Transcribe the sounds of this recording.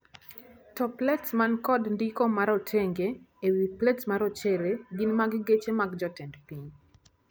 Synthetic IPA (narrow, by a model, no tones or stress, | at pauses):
tɔplɛtsmankɔdndikɔmaɾɔtʰeŋɡe | ewiplɛtsmaɾɔt͡ʃeɾeɡinmaɡɡet͡ʃemaɡd͡ʒɔtɛndpiɲ